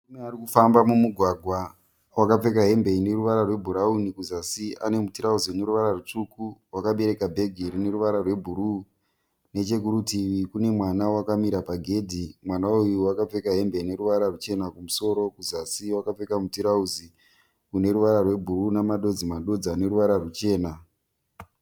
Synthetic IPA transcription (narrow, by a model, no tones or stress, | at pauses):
umearikufambamumuɡʱwaɡʱwa | wakap͡fe̞kaɦe̞mbe̞ine̞ɾuʋaɾarwe̞bʱuɾaunikuzasia̰ne̞mutiɾauziuneɾuʋaɾarut͡ʂukuwakaɓe̞ɾe̞kabʱe̞ɡʱiɾine̞ɾuʋaɾarwebʱuɾu | ne̞t͡ʃe̞k̬uɾutiʋikune̞mwanawakamiɾapaɡʱe̞dʱimwanaujuwakap͡fe̞kaɦe̞mbeine̞ɾuʋaɾarut͡ʃe̞nakumuso̞ɾo̞kuzasiwakap͡fe̞kamutiɾauzi | kune̞ɾuʋaɾarwe̞bʱuɾunamaɗo̞d͡zimaɗo̞d͡zaːne̞ɾuʋaɾarut͡ʃe̞ːna